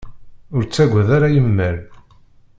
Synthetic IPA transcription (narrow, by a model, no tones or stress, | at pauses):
ʊɾt͡sːæɡʷːæðaɾajəmːæɾ